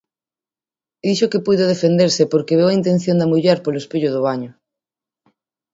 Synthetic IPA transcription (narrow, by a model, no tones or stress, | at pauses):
d̪iʃokepuðoðefend̪eɾsepoɾkeβ̞ewaint̪ẽn̟θjõnd̪amuʎeɾpoloespiʎoðʊβ̞aɲʊ